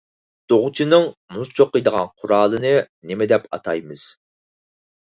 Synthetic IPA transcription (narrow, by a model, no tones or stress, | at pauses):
d̪̥oʁʊt͡ʃʰinɨŋmuzt͡ʃʰoqːəjd̪əʁɑ̰nqʰʊɾɑːlˠɨnɨnɪmɪd̪ɛpɑ̰t̪ʰɑjmɨz̥